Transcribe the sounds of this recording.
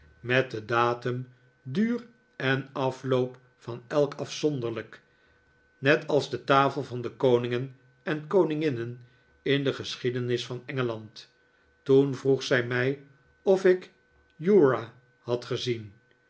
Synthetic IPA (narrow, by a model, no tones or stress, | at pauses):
mɛt̚dədaːtəm | dyːr | ɛnɑflowp | fɑnɛlˠkɑfsɔndəɹlək | nɛtɑlˠzdətaːfəlˠvɑndəkownɪŋən | ɛnkownɪŋɪnən | ɪndəχəsχidənɪsfɑnɛŋəlɑnt | tunvruχsɛjmɛj | ɔfɪk | juːɹa | hɑtχəzin